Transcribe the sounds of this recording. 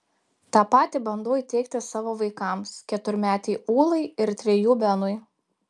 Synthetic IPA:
t̪ɑːpɑːt̪ʲɪbɐnd̪oːiːt̪ʲɛɪk̚t̪ʲɪsɑːʋoːʋɐɪkɐmskʲɛt̪ʊɾʲmʲæːt̪ʲɛɪuːlˠɐɪɪɾt̪ʲɾʲɛjuːbʲɛnʊɪ

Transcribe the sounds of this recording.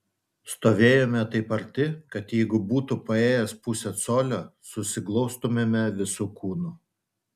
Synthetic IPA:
st̪oːʋʲeːjoːmʲɛt̪ɐɪpɐɾʲt̪ʲɪkɐt̪jɛɪɡʊbuːt̪upɐeːjɛspʊsʲɛsoːlʲoːsʊsʲɪklˠɔʊst̪ʊmʲemʲɛʋʲɪsuːkʰuːnʊ

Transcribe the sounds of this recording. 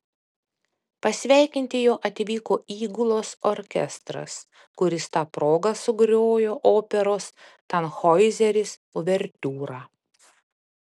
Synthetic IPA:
pɐsʲʋʲæˑɪkʲɪnʲt̪ʲɪjoːʔɐt̪ʲɪʋʲiːkoːiːɡʊlˠoːsoːɾʲkʲɛ̰st̪ɾɐ̰s | kʊɾʲɪst̪ɑːpɾoːɡɐsʊɡɾʲoːjoːʔoːpʲɛɾoːst̪ɐnxɔɪzʲɛɾʲɪs | ʊʋʲɛɾʲt̪ʲuːɾɑː

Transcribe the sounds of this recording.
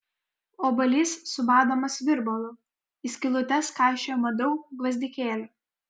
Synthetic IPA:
oːbɐlʲiːsːʊbɑːd̪oːmɐsʋʲɪɾbɔlˠʊ | ɪsʲkʲɪlˠʊt̪ʲɛskɑˑɪʃʲoːmɐd̪ɔʊɡʋɐzʲd̪ʲɪkʲeːlʲʊ

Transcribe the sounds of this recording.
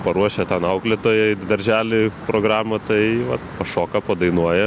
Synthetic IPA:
pɐɾuɔʃʲɛt̪ɛnɐʊklʲeːt̪oːjɛd̪ɐɾʲʒʲæːlʲɪpɾoːɡɾɑːmɐt̪ɐɪʋɐt̪pɐʃoːkɐpɐd̪ɐɪnuɔjɛ

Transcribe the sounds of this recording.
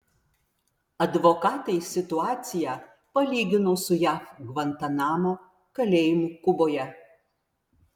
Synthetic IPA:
ɐd̪ʋokɑːt̪ɐɪsʲɪt̪ʊɑːt̪sʲɪjæː | pɐlʲiːɡʲɪnoːsʊjæːfɡʋɐnt̪ɐnɑːmo | kɐlʲeːjɪmʊkʊboːjɛ

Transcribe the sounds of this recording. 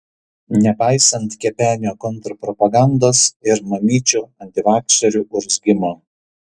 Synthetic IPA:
nʲɛpɑɪsɐnt̪kʲɛpʲæːnʲoːkɔnˑt̪ɾɐpɾɔpɐɡɑˑnd̪oːsɪɾmɐmʲiːt͡ʃʲuːɐnʲt̪ʲɪʋɑːkʃɐɾʲuˑʔʊɾʲzʲɡʲɪmo

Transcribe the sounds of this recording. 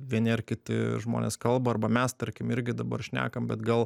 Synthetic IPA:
ʋʲiɛnʲɪɐrkʲɪt̪ʲɪ̰ʒmo̰ːnʲḛskɐlˠbɐɐrbɐmʲɛst̪ɐɾʲkʲɪmɪɾʲɡʲɪd̪ɐbɐrʃʲnʲæ̰ːkɐmbʲɛt̪ɡɐlˠ

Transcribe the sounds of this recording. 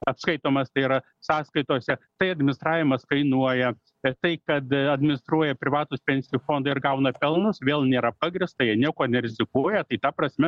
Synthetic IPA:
ɐpskɐɪt̪oːmɐst̪ɐɪiːɾɐ | sɑːskɐɪt̪oːsʲɛt̪ɐɪɐd̪ʲmʲɪnʲɪst̪ɾɑːʋʲɪmɐskɐɪnuɔjɛ | t̪ɐɪkɐt̪ɐd̪ʲmʲɪnʲɪst̪ɾuɔjɛpʲɾʲɪʋɑːt̪ʊspʲɛnʲsʲɪjuːfoːnd̪ɐɪɾɡɐʊnɐpʲɛlˠnʊsʋʲeːlˠnʲeːɾɐpɑːɡɾʲɪst̪ɐjiɛnʲiɛkoːnʲɛɾʲɪzʲɪkuɔjɛt̪ɐɪt̪ɐpɾɐsʲmʲɛ

